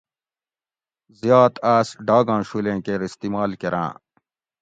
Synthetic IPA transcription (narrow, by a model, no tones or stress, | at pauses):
zjaːt̪aːsɖaːɡãːɕulẽːkeɾist̪iːmaːlkeɾã̰ː